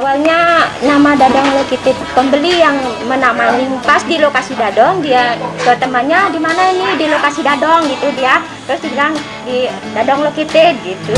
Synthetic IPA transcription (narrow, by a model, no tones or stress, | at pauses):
awalɲanamadadɔŋlokit̪ɪt̪̚pəmbəlijaŋmənamanlimpasdilokasidadɔŋdiakət̪əmanɲadimanainidilokasidadɔŋɡit̪udia | t̪ɾʊsdiɡaŋ | di | dadɔŋlokit̪ɪɡit̪u